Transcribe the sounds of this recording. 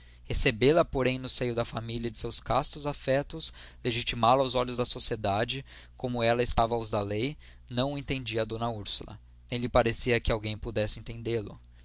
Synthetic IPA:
hesebelɐpoɾẽj̃nʊsejʊd̪ɐfamiliɐd͡ʒɪsewskast̪ʊzafɛt̪ʊsleʒit͡ʃimalɐawzɔʎʊzd̪ɐsosied̪ad͡ʒɪkõmʊɛlɐɪst̪avɐʊzd̪alej | nɐ̃w̃ẽnt̪ẽnd͡ʒiɐd̪õnɐuɾsulɐ̰ | nẽj̃lɪpaɾesiɐkɪawɡẽj̃pud̪ɛsɪẽnt̪ẽnd̪elʊ̰

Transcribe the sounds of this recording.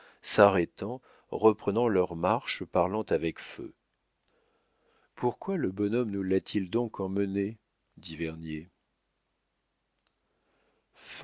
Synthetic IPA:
saʁɛt̪ɑ̃ | ʁəpχənɑ̃lœʁmaʁʃpaʁlɑ̃t̪avɛkfø̰ | puʁkwaləbɔnɔmnulat̪ʰild̪ɔ̃kɑ̃məne | d̪ivɛʁnje | f

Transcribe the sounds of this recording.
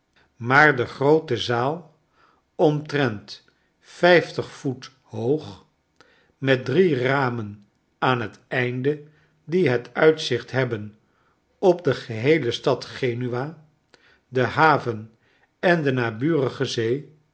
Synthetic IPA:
maːɹdəχrowtəzaːlˠ | ɔmtrɛnt | fɛjftəχfut | howχ | mɛt̚driraːmən | aːnɦətɛjndə | diɦətœɥtsɪχtɦɛbən | ɔpdəχəɦejləstɑtχejnyʋaː | dəɦaːvən | ɛndənaːbyːrəχəzej

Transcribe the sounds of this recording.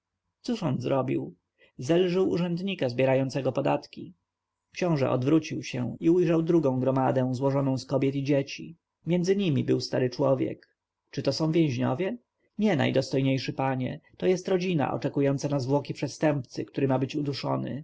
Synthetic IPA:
t̪suʂɔnzɾɔbʲiw | zɛlʐɘwṵʐɛnd̪ɲikazbʲjɛɾajɔnt̪sɛɡɔpɔd̪at̪kʲi | kɕɔ̃w̃ʐɛ̰ʔɔ̰d̪vɾut͡ɕiwɕɛ̰iujʐawd̪ɾuɡɔ̃w̃ɡɾɔmad̪ɛ̃w̃zwɔʐɔnɔ̃w̃skɔbʲjɛt̪id͡ʑet͡ɕi | mʲjɛnd̪zɘɲimʲibɘwst̪aɾɘt͡ʂwɔvʲjɛ̰k | t͡ʂɘt̪ɔsɔ̃w̃vʲjẽw̃ʑɲɔ̰vʲjɛ | ɲɛna̰jd̪ɔst̪ɔjɲejʂɘpaɲɛ̰t̪ɔjɛst̪ɾɔd͡ʑina̰ʔɔ̰t͡ʂɛkujɔnt̪sanazvwɔkʲipʂɛst̪ɛmpt̪sɘkt̪uɾɘmabɘt͡ɕud̪uʂɔ̰nɘ̰

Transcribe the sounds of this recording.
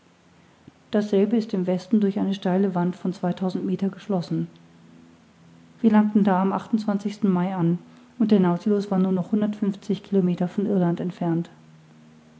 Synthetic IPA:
d̥asz̥ɛlbəɪstɪmvɛstn̩dʊɐçʔaɪnəʃtaɪləvantfɔnt͡sv̥aɪtʰaʊzn̩tmeːtɐɡəʃlɔsn̩ | viːɐlaŋk̚tn̩daːamʔaχtʊn̩t͡sv̥ant͡sɪçstn̩maɪan | ʊnt̚d̥eɐnaʊt͡silʊsv̥aːɐnuːɐnɔχhʊndɐtfʏnft͡sɪçkʰilomeːtɐfɔnʔɪɐlantɛntfɛɐnt

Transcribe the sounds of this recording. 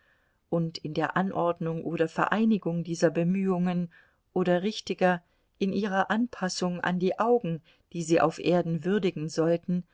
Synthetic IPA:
ʔʊntɪndeːɐʔanʔɔɐdnʊŋʔoːɾɐfɛɐʔaɪnɪɡʊŋdiːzɐbəmyːʊŋən | ʔoːɾɐʁɪçtɪɡɐ | ʔɪnʔiːʁ̞ɐʔanpʰasʊŋa̰ndiːʔaʊɡŋ̩ | d̥iːziːʔa̰ʊfʔeːɐdn̩vʏɐdɪɡŋ̩zɔltn̩

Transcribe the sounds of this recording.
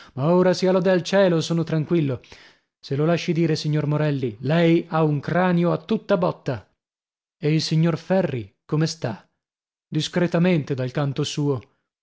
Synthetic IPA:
maoːɾasialɔd̪ealt͡ʃɛːlosoːnot̪ɾaŋkwilːo | selolaʃːid̪iːɾesiɲːormoɾɛlːilɛjauŋkɾaːnjoat̪ːut̪ːabɔt̪ːa | eilsiɲːorfɛrːikomest̪a | d̪iskɾet̪ament̪ed̪alkant̪osuːo

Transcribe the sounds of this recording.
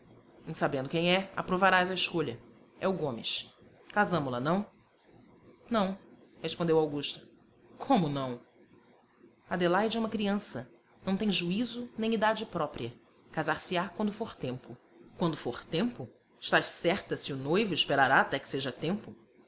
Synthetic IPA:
ẽj̃sabẽnd̪ʊkẽj̃ɛa̰pɾovaɾajzɐɪʃkoʎɐ | ɛʊɡõmɪ̰ʃ | kazɐ̃mʊlɐnɐ̃w̃ | nɐ̃w̃ | heʃpõnd̪ewawɡuʃt̪ɐ̥ | kʰõmʊnɐ̃w̃ | ad̪elajd͡ʒɛũmɐkɾiɐ̃sɐ | nɐ̃w̃t̪ẽj̃ʒuizʊnẽj̃id̪ad͡ʒɪpɾɔpɾiɐ | kazaɾsɪakwɐ̃nd̪ʊfoɾt̪ẽmpʊ | kwɐ̃nd̪ʊfoɾt̪ẽmpʊ | ɪʃt̪aʃsɛχt̪ɐsɪʊnojvʊɪʃpeɾaɾaːt̪ɛkɪ̥seʒɐt̪ẽmpʊ

